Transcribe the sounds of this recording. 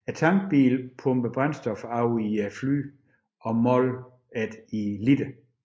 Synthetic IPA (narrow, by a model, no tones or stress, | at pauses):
æt͡sʰɑ̈ŋɡ̥̚b̥ḭːlpʰɔ̽mb̥əb̥ʁansd̥ɒ̽fɑ̈ʊiæfly̰ː | ɒ̽mɒl | æd̥ilid̥ə